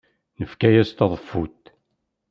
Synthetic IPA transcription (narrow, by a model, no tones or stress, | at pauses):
nəfkæjæst̪ɑðˤəfːut̪